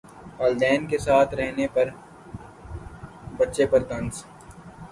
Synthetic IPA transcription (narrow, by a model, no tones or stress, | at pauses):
aːld̪ɛːnkesaːt̪ʰɾɛɦnepɐɾ | bɐtːʃepɐɾt̪ɐ̃ns